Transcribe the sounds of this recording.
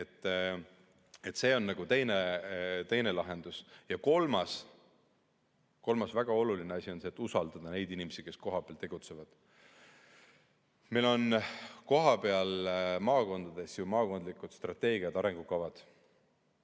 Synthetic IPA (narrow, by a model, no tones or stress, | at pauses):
et̪ː | e̞t̪ːse̞ːo̞nːɑɡ̥ut̪e̞jnet̪e̞jne̞lɑɦe̞nd̪̥usjɑko̞lmɑs | ko̞lmɑsvæɡ̥ɑo̞lulineɑsʲio̞nseːt̪ːˑusɑld̪̥ɑd̪̥ɑne̞jd̪̥inʲimesike̞sko̞ɦɑpeɑlt̪e̞ɡ̥ut̪se̞vɑd̪̥ | milo̞nko̞ɦɑpe̞ɑlmɑːko̞nd̪̥ɑd̪̥e̞sjumɑːko̞nd̪likːˑud̪̥st̪rɑt̪ːe̞ːɡ̥iɑd̪ɑɾe̞ŋɡ̥ukɑvɑd̪̥